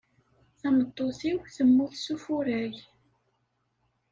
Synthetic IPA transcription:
θæmət̪ˤːoθiwθəmːuθsufuɾæʝ

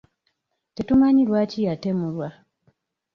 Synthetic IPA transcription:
tetumaɲilwaːcijatemulwa

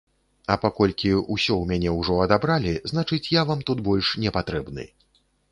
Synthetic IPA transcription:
ɐpakɔlʲkʲiusʲɔwmʲanʲɛwʐɔɐd̪abɾalʲiznat͡ʂɨt͡sʲjavamt̪ut̪bɔlʲʂnʲɛpat̪ɾɛbnɨ̰

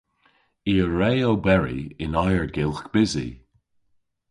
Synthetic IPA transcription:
iːəɹɛjowbɛɹḭɪnajəɹɡɪlˠxkb̥ɪzḭ

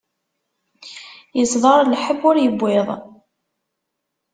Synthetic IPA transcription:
jəsðˤɑɾˤlħəbʊɾjəbʷːɪðˤ

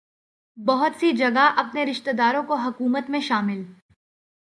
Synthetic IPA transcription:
bɐɦʊt̪sid͡ʒɐɡaʔɐpneɾɪʃt̪ed̪aːɾõkoɦɐkuːmət̪mẽʃaːmɪl

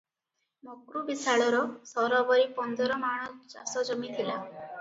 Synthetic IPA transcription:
mokɾubisaɭɔɾɔsɔɾɔbɔɾipɔnd̪ɔɾɔmaɽ̃ɔd͡ʒa̰sɔd͡ʒɔmit̪ʰila

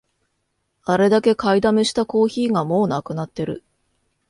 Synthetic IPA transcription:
aɾe̞d̪ake̞kaid̪ameɕi̥t̪ako̞ːçiːŋɡamo̞ːnakɯ̟nat̪ːe̞ɾɯ̟̰

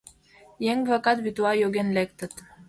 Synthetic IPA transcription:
jeŋvakɑt̪bit̪uɑjøɡenlek̚t̪ə̆t̪

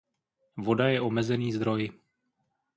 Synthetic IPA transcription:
vo̞dajɛʔo̞mɛzɛniːzd̪ɾo̞jɪ

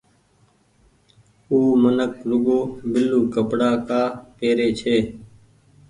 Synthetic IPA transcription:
uːmənəkɾʊɠoːbɪlːuːkəpɽaːkaːpeːɾeːt͡ʃʰeː

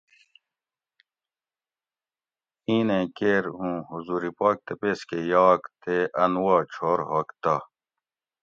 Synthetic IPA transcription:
ĩːnẽkeːɾɦũːhuzuːɾipaːk̚t̪epeːskejaːkt̪eʔɐnwaːt͡ɕʰoːɾɦɐːkt̪ɐ

